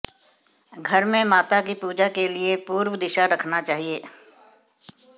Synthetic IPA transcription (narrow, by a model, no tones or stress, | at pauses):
ɡʱɐɾmẽmaːt̪akipuːd͡ʒakeliepuːɾwəd̪ɪʃaɾɐkʰnat͡ʃaːɦieː